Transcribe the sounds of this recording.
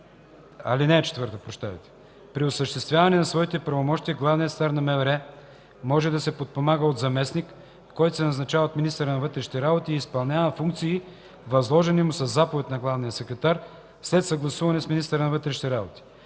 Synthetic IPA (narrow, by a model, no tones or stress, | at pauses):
ɐ̰linɛːt͡ʃɛ̥t̪vɤɾt̪əpɾoʃt̪avɛ̰t̪ɛ̥ | pɾiosəʃt̪ɛst̪vʲjavɐnɛnɐsvɔit̪ɛpɾɐvomɔʃt̪iəɡlˠavnijətst̪aɾnɐmɛvɛɾɛ | mɔʒɛd̪ɐsɛpot̪̚pomaɡəod̪zɐmɛsnikː | ɔjt̪osɛnɐznɐt͡ʃavɐot̪minist̪əɾənɐvɤt̪ɾɛʃi̥t̪ɛɾabot̪iːspɐlˠnʲavəfuŋk̚t̪siː | vɐzlˠɔʒɛnimʊsɐzːapovɛt̪ʲnɐɡlˠavnijəsɛkɾɛt̪aɾ | slɛt̪sɐɡlˠɐsuvɐnɛsminist̪əɾənɐvɤt̪ɾɛʃit̪ɛɾabot̪i̥